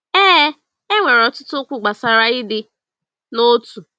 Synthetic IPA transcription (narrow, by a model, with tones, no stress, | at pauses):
ɛː˦ | e˦ŋʷe˨ɾɔ˨tʊ˦tʊ˦kʷʊ˨ɡ͡ba˨sa˦ɾa˦ɪ˦dɪ˦ | no˦tu˨